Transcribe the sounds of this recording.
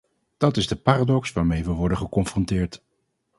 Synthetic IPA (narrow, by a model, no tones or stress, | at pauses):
d̥ɑtɪzdəpaːraːdɔksʋaːɹmejʋəʋɔɹdənχəkɔmfrɔntɪːɹt